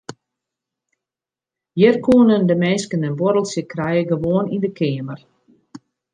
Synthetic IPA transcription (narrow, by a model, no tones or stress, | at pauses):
jɪrkʰuːnəndəmɛnskənənboɾəlˠsjəkrɛjəɡəʋoənindəkʰɪːmər